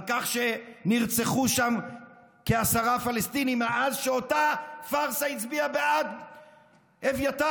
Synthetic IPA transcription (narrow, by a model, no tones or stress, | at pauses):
kaχʃe̞niʁt͡seχuʃam | keasaʁafalestinimeazʃeo̞tafaʁsait͡sbiabead | evjata